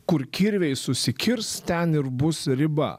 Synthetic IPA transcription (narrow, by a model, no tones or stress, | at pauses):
kʊɾkʲiɾʲʋʲɛɪsʊsʲɪkʲɪɾst̪ʲɛnɪɾbʊsɾʲɪbɐ̰